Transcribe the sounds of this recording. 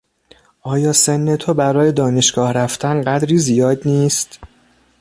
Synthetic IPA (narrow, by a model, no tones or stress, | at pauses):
ʔɒːjɒːsenːet̪ʰobæɾɒːje̞d̪ɒːne̞ʃɡɒːhɾæft̪ʰænɢæd̪ɾiːzijɒːd̪niːst̪